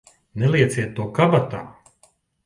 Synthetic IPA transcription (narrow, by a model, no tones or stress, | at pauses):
nɛlˠiɛt̪siɛt̪ːuɔkabat̪a̰ː